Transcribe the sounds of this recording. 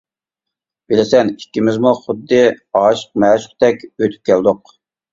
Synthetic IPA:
b̥ɪlɪsɛnikʲːimɪzmuχʊd̪ːɨɑːʃə̥q̚mɛːʃʊ̥qt̪ʰɛkʲøt̪ʰy̥p̚kʲʰɛld̪ʊq̚

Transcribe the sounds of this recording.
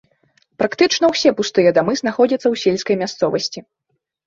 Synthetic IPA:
pɾakt̪ɨt͡ʂn̪ɐwsʲɛpust̪ɨjɐd̪amɨzn̪axɔd͡zʲɐt̪sːɐwsʲelʲskɐjmʲast̪sɔvɐsʲt͡sʲi

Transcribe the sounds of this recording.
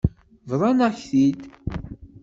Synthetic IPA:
vðˤɑnæçθid̪

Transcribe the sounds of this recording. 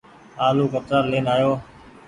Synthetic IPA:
aːluːkət̪ɾaːɾleːnaːjoː

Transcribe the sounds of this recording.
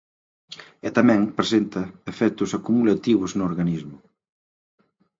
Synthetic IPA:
ɛt̪amɛ̃ŋpɾesent̪ɐefɛt̪ʊsakumulat̪iβ̞ʊznʊoɾɣanizmʊ

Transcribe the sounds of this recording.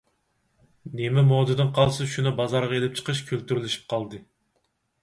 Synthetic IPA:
nemɛmod̪ɨd̪ɨnqʰɑlˠsɨʃunɨbɑzɑɾʁɑelɪp̚t͡ʃʰə̥qʰəʃkʲʰylt̪yɾlɪʃi̥p̚qʰɑlˠd̪ɨ

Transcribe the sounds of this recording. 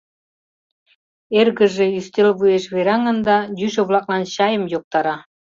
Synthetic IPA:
erɣə̆ʒĕyst̪elβujeʃβeɾɑŋə̆nd̪ɑjyʃə̆βlˠɑklɑnɕɑjə̆mjok̚t̪ɑɾɑ

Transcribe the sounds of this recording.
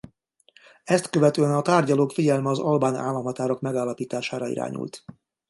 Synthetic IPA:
ɛst̪køvɛt̪øːɛnɒt̪aːrɟɒloːkfiɟɛlmɛɒzɒlbaːna̰ːlːɒmɦɒt̪aːɾo̞kmɛɡaːlːɒpiːt̪aːʃaːɾɒḭɾa̰ːɲṵlt̪

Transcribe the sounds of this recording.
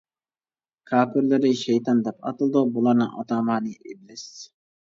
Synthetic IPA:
kʰɑːpɪɾlɪɾɪʃɛjt̪ʰɑnd̪ɛpɑ̰t̪ɨlˠd̪ubulˠɑɾnɨŋʔɑ̰t̪ʰɑːmɑnɨʔɪblɪs

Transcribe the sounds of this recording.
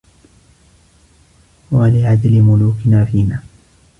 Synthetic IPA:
walɪʕad̪lɪmʊluːkɪnaːfiːnaː

